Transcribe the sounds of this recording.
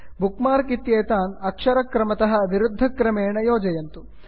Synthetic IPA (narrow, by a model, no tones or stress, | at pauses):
bukmaːɾkit̪jeːt̪aːnɐkʂɐɾɐkɾɐmɐt̪ɐɦɐ̆ʋiɾud̪ʱːɐkɾɐmeːɳɐjoːd͡ʒɐjɐnt̪u